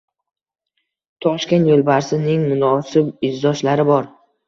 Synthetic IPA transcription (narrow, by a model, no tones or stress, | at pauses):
t̪ʰɒʃkʲe̞nt̪jolˠbaɾsɪnɪŋmʊnɒsɪbɪzd̪ɒʃlaɾɪbɒɾ